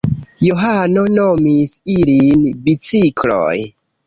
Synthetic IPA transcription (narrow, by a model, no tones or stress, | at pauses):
joɦano̞no̞misilinbit͡siklo̰j